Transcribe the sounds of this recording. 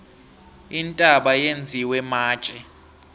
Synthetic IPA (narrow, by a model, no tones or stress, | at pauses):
intʼaɓajend͡zʱiwɛmaːt͡ʃʼɛ